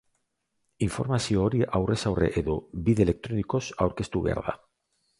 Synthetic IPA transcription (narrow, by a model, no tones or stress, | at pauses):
iɱfoɾmasiooɾiʔawresawrḛʔeðobiðelek̚t̪ɾonikosaoɾkest̪uβḛɾða̰